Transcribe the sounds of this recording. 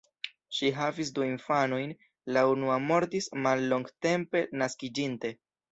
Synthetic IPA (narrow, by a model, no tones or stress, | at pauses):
ʃiɦavis̬duinfano̞jn | launuamo̞ɾtismalːo̞ŋɡte̞mpe̞naskid͡ʒinte̞